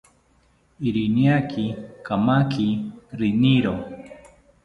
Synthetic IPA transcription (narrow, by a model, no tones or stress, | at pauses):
iɾiniakʰikamakʰiɾiniɾo